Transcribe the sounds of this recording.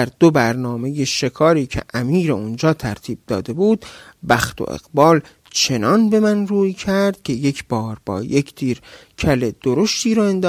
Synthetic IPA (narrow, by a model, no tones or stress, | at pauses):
æɾd̪obæɾnɒːme̞je̞ʃe̞kʰɒːɾiːcʰḛʔæmiːɾeund͡ʒɒːt̪ʰæɾt̪ʰiːb̚d̪ɒ̰ːd̪e̞buːd̪̥bæxt̪ʰo̰ʔḛɣ̥bɒːl | t͡ʃʰe̞nɒːnbe̞mænruːcʰæɾd̪̥̚cʰe̞je̞cʰb̥ɒːɾbɒ̰ːjekʰt̪ʰiːɾ | cʰæled̪̥oɾo̞ʃt̪ʰiːɾɒːe̞nd̪ɒː